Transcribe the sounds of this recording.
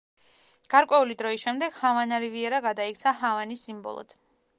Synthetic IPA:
ɡ̥aɾkʼwɛulid̪ɾɔiʃɛmd̪ɛɡ̥havanaɾiviɛɾaɡad̪aik̚ʼt̪sʰaɦavanisimbɔ̰lˠɔ̰d̪̥

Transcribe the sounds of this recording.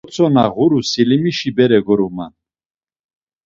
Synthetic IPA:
t͡sʰɔnaʁuɾusilimiʃibɛɾɛɡɔɾuma̰n

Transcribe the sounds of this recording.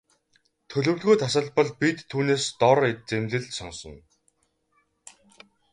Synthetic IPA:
t̪ʰɵɮɵ̆wɮɣujt̪ʰasə̆ɮpɞ̆ɮpit̪ʰːuːneːst̪ɔɾet͡semɮɘ̆ɮsɔnsɞ̆n

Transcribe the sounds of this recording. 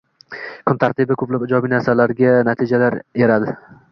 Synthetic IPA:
kʰʊnt̪ʰaɾt̪ʰɪbɪkʰɵplapɪd͡ʒɒbijnaɾsalaɾɡʲanat̪ʰid͡ʒalaɾeɾad̪ɪ

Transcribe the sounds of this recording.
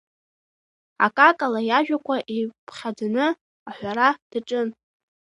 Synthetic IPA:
a̰kʼakʼalajaʒᶣakʷʰʼaʔipʰχʲad͡zanɨ | aħʷᶣaɾad̥aʈ͡ʂʼɨn

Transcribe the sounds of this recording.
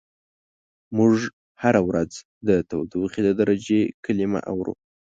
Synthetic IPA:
muʐ | haɾawɾad͡z | d̪ət̪awd̪uxid̪əd̪aɾad͡ʒekəlima̰ʔa̰wɾṵ

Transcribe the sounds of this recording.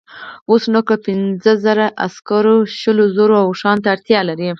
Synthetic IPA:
osnokapɪnzəzəɾaʔa̰skɑɾoʃəlozoɾoawʂɑnt̪aːɽt̪jɑlaɾi

